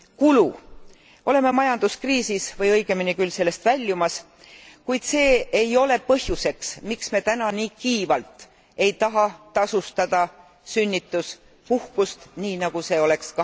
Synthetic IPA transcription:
kulu | ʔo̞le̞me̞mɑjɑnd̪̥uskriːsisvɤjɤjɡ̥e̞minikylse̞lːe̞st̪vælʲːumɑs | kujd̪̥se̞ːejo̞le̞pɤhjuse̞ksmiksme̞t̪ænɑniːkiːvɑlt̪ˑ | e̞jt̪ɑɦɑt̪ɑsust̪ɑd̪̥ɑ | synʲːit̪ːˑus | puhkust̪niːnɑɡ̥use̞ːo̞le̞kskɑ

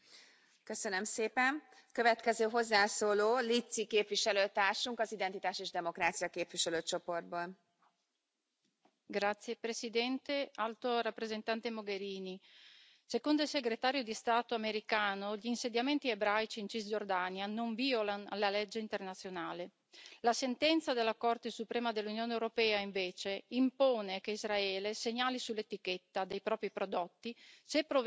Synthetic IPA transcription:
køsønømseːpɛnkøvɛt̪kɛzøːɦozːaːsoːloːlit̪sikeːpviʃɛløːt̪aːrʃuŋkɒzid̪ɛnt̪it̪aːʃeːʒd̪ɛmokɾaːt̪sijɒkeːpviʃɛløːt͡ʃo̞po̞rd̪̚boːl | ɡɾat̪sːjepɾesid̪ɛnt̪ealt̪orapːɾezent̪ant̪emoɡeɾiːni | sekond̪oilseɡɾet̪aːɾjod̪ist̪aːt̪oameɾikaːnoʎiːnsed̪jament̪iebɾajt͡ʃiːnt͡ʃizd͡ʒord̪aːnjanoɱviolanlalɛd͡ʒːeint̪ernat̪sːjonaːle | lasent̪ɛnt̪sad̪elːakort̪esupɾɛːmad̪elːunjoːnewɾopɛːaiɱveːt͡ʃeimpoːnekeizɾaɛːleseɲaːlisulːet̪iket̪ːad̪ejpɾɔːpɾipɾod̪ɔt̪ːisepːɾov

